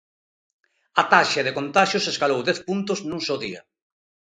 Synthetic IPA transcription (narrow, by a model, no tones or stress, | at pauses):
at̪aʃaðekont̪aʃjoseskalowðɛθpunt̪oznũŋsowðia̰